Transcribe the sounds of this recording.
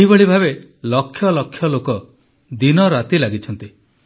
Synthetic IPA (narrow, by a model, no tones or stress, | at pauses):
ibeɭibʱabe | lɔkʰːjɔlɔkʰːjɔlokɔ | d̪inɔɾat̪ilaɡit͡ʃʰɔnt̪i